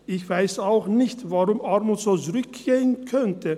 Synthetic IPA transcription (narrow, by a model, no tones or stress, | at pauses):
ɪçv̥aɪsaʊxnɪçtvaʁʊmʔaʁmutz̥oːt͡sʊʁʏkɡ̥eːənkʰœntʰə